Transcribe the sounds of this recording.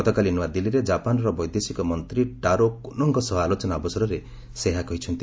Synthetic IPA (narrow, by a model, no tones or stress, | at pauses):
ɔt̪ɔkalinuwad̪iliɾed͡ʒapanɾɔbɔjd̪esikɔmɔnt̪ɾiʈaɾokonɔŋkɔsɔɦɔalot͡ʃɔnaɔbɔsɔɾɔɾe | seɦakɔɦit͡ʃʰɔnt̪i